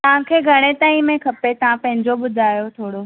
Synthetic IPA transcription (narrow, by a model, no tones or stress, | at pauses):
t̪ɐʋ̤ãkʰeːɡʱɐɽ̃et̪aːĩmẽkʰɐpet̪ɐʋ̤ãpɐ̃ɦɪ̃ɲd͡ʑoɓʊd̪ʱaːjot̪ʰoːɽo